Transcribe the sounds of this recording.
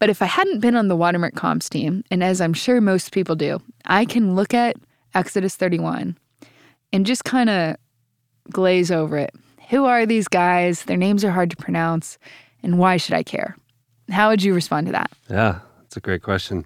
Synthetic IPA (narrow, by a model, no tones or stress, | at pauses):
b̥ʌɾɨfaɪhædⁿn̩b̥ɨ̃nə̃nðəwɑɾə˞mə̰˞kʰɑ̰̃mstĩmɨ̃nɨzãɪ̃mʃʊɹmoʊspʰipl̩ˠdʉ̰ʔa̰ɪkʰɨ̃nlʊkɨɾ | ɛksɨɾɨsθɜ˞ɾiwʌ̰̃n | ɨ̃nd͡ʒʌskʰãɪ̃ndɨ | ɡ̥leɪzoʊvə˞ɪ̰t̚ | huə˞ðizɡaɪzðə˞nẽɪ̃mzə˞ɦɑɹd̚tʰə̥pʰɹ̥ɨnãʊ̃ns | ɨ̃nwaɪʃɨɾa̰ɪkʰɛ̰ɹ | haʊwɨd͡ʒɨɹɨspɑ̃ntʰɨðæ̰t̚jæ̰ | ætsɨɡ̥ɹeɪt̚kʰw̥ɛst͡ʃɨ̃n